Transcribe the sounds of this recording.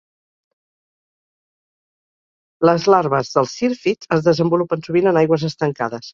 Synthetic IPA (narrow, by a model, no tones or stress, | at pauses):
ləzlaɾβəzðəlˠsiɾfit͡səzðəzəmbulupənsuβinənajɣwəzəst̪əŋkaðəs